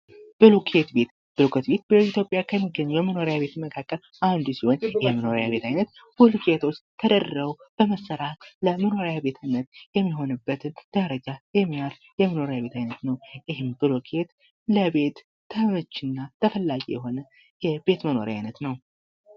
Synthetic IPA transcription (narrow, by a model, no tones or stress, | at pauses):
b̥ɨlukʰet̪be̞t̪ | b̥ɨlukʰət̪be̞t̪̚bəit̪ʰjo̞pʼjakʰəmːiɡːəɲːujɛməno̞ɾjaβe̞t̪ɨməkʰakːəl | and̪usiho̞njɪhməno̞ɾjaβe̞t̪ʰajnət̪ | b̥ɨlkʰet̪ʰo̞t͡ʃːt̪ʰəd̪ərəub̥əməsːəɾat̪ləməno̞ɾjabe̞t̪ʰajnət̪jɛmːiɦo̞nɨbːət̪ʰɨnd̪̥əɾəd͡ʒajɛmːijaɾ | jɛməno̞ɾjaβe̞t̪ʰajnət̪nəwjɪɦɨmbɨlokʰet̪ | ləbe̞t̪ʰː | əmət͡ʃːɪnːat̪ʰəfəlːaɡijɛɦo̞nə | jɛbe̞t̪məno̞̰ɾja̰jnət̪nəw